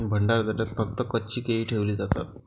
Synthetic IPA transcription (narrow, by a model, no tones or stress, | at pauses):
bʱəɳɖaɾd̪əɾat̪fəkt̪əkːətːt͡ɕiːkeʋiːʈʰeʋliːd͡zat̪a̰t̪